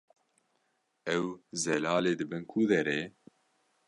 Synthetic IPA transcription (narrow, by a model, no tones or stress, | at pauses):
ɛwzɛlɑːleːd̪ɨbɨnkʰud̪ɛɾeː